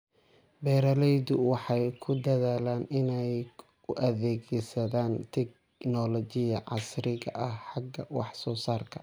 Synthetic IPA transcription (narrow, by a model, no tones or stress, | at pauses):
bɛːɾɐlɛjd̪ʊwɑħɑjkʰʊd̪ɐðaːlaːnɪnɛj | ʊʔɐðɛːɣɛjsɐðaːnt̪ʰɛɡ | nɔlɔt͡ʃɪjɐʕɑsrɪɣɐ̰ʔɐhħɑɡɐwɑħsɔːsaːrkʰɐ